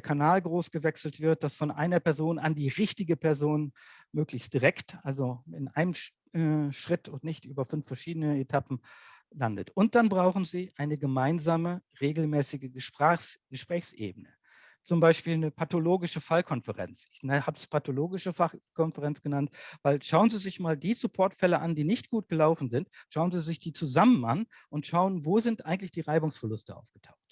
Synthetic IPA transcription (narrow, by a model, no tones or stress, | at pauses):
ddeːɐkʰanaːlɡʁoːsɡ̥əvɛksl̩tv̥ɪɐt̚d̥asfɔnʔa̰ɪnɐpɛɐzoːnʔandiːʁɪçtɪɡəpʰɛɐzoːn | møːklɪçst̚d̥iʁɛktʔalzoɪnʔa̰ɪnəm | ɛʃʁ̥ɪtʊntnɪçtʔyːbɐfʏnfɛɐʃiːdənəetʰapm̩landə̰tʊnt̚d̥anbʁaʊχn̩ziːʔaɪnəɡəmaɪnzaːməʁeːɡl̩mɛːsɪɡəəʃpʁɡ̥əʃpʁ̥ɛːçsʔḛːbənə | t͡sʊmbaɪʃpiːlnəpʰatoloːɡɪʃəfalkʰɔnfəʁɛ̰nt͡sɪçnhaːbspʰatoloːɡɪʃəfaχkʰɔnfəʁɛnt͡sɡ̥ənantvaɪlʃaʊənziːzɪçmaːldiːsupʰɔɐtfɛləʔandiːnɪçtɡ̥uːt̚ɡ̥əlaʊfn̩zɪntʃaʊənziːzɪçd̥iːt͡suzaməna̰n | ʔʊntʃaʊənvoːzɪntʔaɪɡŋ̩tlɪçd̥iːʁaɪbʊŋsfɛɐlʊstəʔa̰ʊfɡ̥ətʰaʊxt